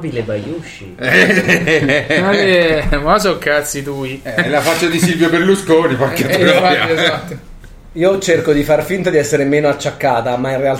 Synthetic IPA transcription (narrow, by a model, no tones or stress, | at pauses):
bilebajuʃːḭ | mɔsokːat̪sit̪uːiɛlafat͡ʃːad̪isilvjoberluskoːnipakːet̪azat̪ːo | iːot͡ʃerkod̪ifarfint̪ad̪iɛsːeɾemeːnoat͡ʃːakːaːt̪amainreal